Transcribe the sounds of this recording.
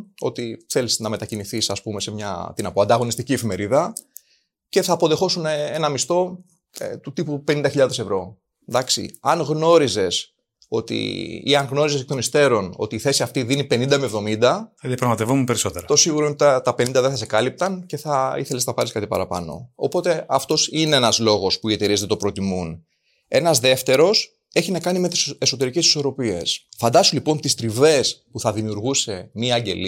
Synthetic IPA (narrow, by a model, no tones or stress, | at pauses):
o̞̰t̪iθe̞liznɐme̞t̪ɐciniθisɐspume̞semɲɐ̰t̪inɐpoɐnd̪ɐɣo̞nist̪icie̞fime̞ɾiðɐ | ce̞θɐːpo̞ðe̞xo̞sune̞nɐmist̪o̞ | t̪ut̪ipupe̞nind̪ɐçiʎɐðe̞se̞vɾo̞ | d̪ɐksḭɐŋɣno̞ɾize̞s | o̞t̪ḭḭɐŋɣno̞ɾiseet̪nist̪e̞ɾo̞no̞t̪iːθe̞siɐft̪iðinipe̞nind̪ɐmevðo̞mind̪ɐɐðijɐpɾɐɣmɐt̪evomupe̞ɾiso̞t̪eɾɐt̪o̞siɣuɾoint̪ɐt̪ɐpe̞nind̪ɐðeθɐsekɐlip̚t̪ɐnce̞θɐiθe̞leznɐpɐɾiskɐt̪ipɐ̰ɾɐpɐ̰no̞̰opo̞t̪e̞ɐft̪o̞sine̞enɐzlo̞ɣo̞spuie̞t̪eɾizet̪et̪opɾo̞t̪imun | e̞nɐzðe̞ft̪e̞ɾo̞s | e̞çinɐkɐnime̞t̪i̥seso̞t̪e̞ɾice̞si̥so̞ɾo̞pie̞̰sfɐnd̪ɐst̪ulipo̞nt̪ist̪ɾive̞spuθɐðimiuɾɣuse̞miɐɲɟe̞̰li